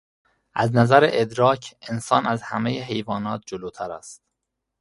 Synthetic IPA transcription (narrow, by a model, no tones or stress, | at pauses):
ʔæznæzæɾeʔed̪ɾɒːcʰensɒːnæzhæ̰mejeɦe̞jvɒːnɒːt̪̚d͡ʒoloːt̪ʰæɾæ̰st̪̚